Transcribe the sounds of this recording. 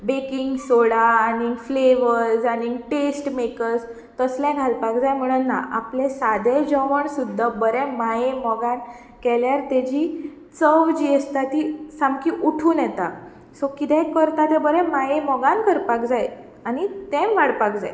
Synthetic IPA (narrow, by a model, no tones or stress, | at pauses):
bekiŋɡsoɽaːniŋɡfleʋəɾd͡zaniŋɡʈesʈmekəɾs | t̪əslɛ̃ɡʱalpakd͡zajm̤əɽ̃unːaʔaplesad̪ed͡ʑɔʋəɳsud̪ʱːabəɾɛ̃majemɔɡan | kɛljaɾt̪ɛd͡ʑiː | t͡səʋd͡ʑiəst̪at̪isãmkiʔuʈʰuːnjɛt̪a | sokit̪ɛ̃kəɾt̪at̪ɛ̃bəɾɛ̃majẽmɔɡankəɾpakd͡zaj | aɽ̃it̪ɛ̃mʋaɽpakd͡za̰j